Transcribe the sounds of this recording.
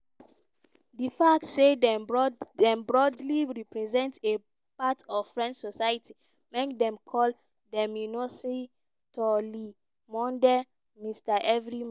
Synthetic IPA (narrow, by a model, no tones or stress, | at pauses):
difak̚tsedɛdɛ̃mbɹɔdliɹipɹɛzɛ̃ntse | patɔvfɹɛ̃ndsɔsajitʰi | mekdɛ̃mkʰɔl | dɛ̃mjunose | tʰɔli | mɔ̃ndɛ | mistaʔɛvɹi